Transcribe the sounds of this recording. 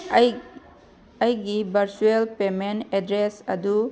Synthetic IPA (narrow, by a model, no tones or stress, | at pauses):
ɐjɡibɐɾsuelpemenɛdɾesɐd̪u